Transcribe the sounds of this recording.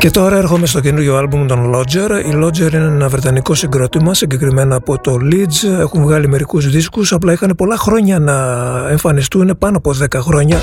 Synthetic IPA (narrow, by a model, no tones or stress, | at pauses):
ce̞t̪o̞ɾɐe̞ɾxo̞me̞st̪o̞cenuɾʝo̞ɐlbumt̪o̞nlo̞d͡ze̞ɾilo̞d͡ze̞ɾineenɐvɾe̞t̪ɐniko̞siŋɡɾo̞t̪imɐsiɲɟe̞kɾime̞nɐːpo̞t̪o̞lid͡ze̞xuɱvɣɐlime̞ɾikuzðiskusɐplɐixɐne̞po̞lɐxɾo̞ɲɐnɐe̞ɱfɐnist̪une̞pɐnoɐpo̞ðe̞kɐxɾo̞ɲɐ